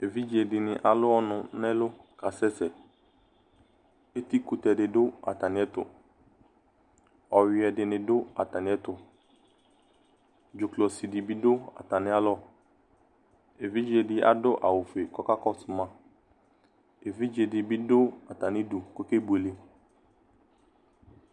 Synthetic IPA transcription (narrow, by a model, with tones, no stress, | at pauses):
e˨vi˦d͡ʒe˨dɪ˨nɪ̃˨ʔa˨lʊ˦ɔ˦nʊ̃˨nɛ̃˦lʊ˦ka˨sɛ˦sɛ˨ | e˦t̪i˦ku˨tɛ˨dɪ˨dʊ˦a̰˨ta˨nɪ̃˨ɛ˦tʊ̰˨ | ɔ˨wɪ˨ɛ˨dɪ˨nɪ̃˨dʊ˦a̰˨ta˨nɪ̃˨˦ɛ˦tʊ˨ | d͡ʒʊ˨klɔ˨si˨dɪ˨bi˦dʊ˦a̰˨ta˨nɪ̃˦a˦lɔ˦˨ | e˨vi˦d͡ʒe˨dɪ˦a̰˨dʊ˦ʔa˨wʊ˨fe˨kɔ˦ka˦kɔ˦sʊ˨mã˦ | e˨vi˦d͡ʒe˨dɪ˨bi˦dʊ˦a˨ta˨nɪ̃˦du˨ko˦ke˦bu˨e˨le˨